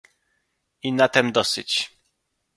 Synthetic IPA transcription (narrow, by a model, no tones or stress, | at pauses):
inat̪ɛmd̪ɔsɘt͡ɕ